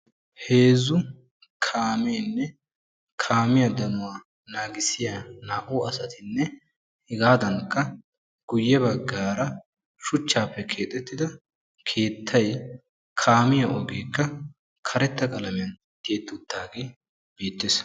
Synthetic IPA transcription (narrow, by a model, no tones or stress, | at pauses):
he̞ːzʊ | kʰaːmeːnːɛ | kʰaːmɪjɐd̪ɐmʊwaː | naːɡɪsɪjanaːʔoɐsɐt̪ɪnːɛ | hɪɡaːd̪ɐŋkːɐ | ɡ̥ʊjːɛbɐɡːaːɾɐ | ʃʊt͡ʃːaːpːɛkʰe̞ːt̪ʼːɛt̪ːɪd̪ɐ | kʰe̞ːt̪ʰːɐj | kʰaːmɪjɐʔɔɡeːkːɐ | kʰɐɾɛt̪ːɐkʼɐlɐmɪjɐn | t̪eːt̪ːʊd̪ːaːɡe | b̥eːt̪ːeːs